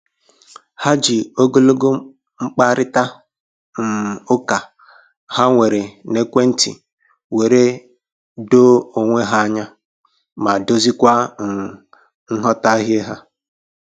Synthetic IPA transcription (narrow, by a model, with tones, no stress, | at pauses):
ha˦d͡ʒi˨o˦ɡo˦lo˦ɡo˦ | ŋ͡m̩˦k͡pa˦ɾɪ˦ta˦ | n̩˨o˦ka˨ | ha˦ŋʷe˨ɾe˨ne˦kʷe˦n̩˦tḭ˨ | we˨ɾe˦ | do˦o˨ŋʷe˦ɦa˦ɲa˦ | ma˨do˦zi˦kʷa˦ŋ̩˨ | n̩˦ɦɔ˦ta˦ɦe˦ɦa˦